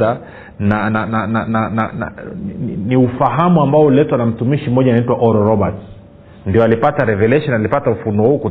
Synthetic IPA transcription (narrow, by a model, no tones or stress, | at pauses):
a | nananananana̰na̰ | niufaɦamuambaɔulɛtwanam̩tumiʃim̩ɔʄanaitwaʔɔɾɔɾɔbats | ndiɔalipataɾɛvɛlɛʃɔnalipatamufunɔhuku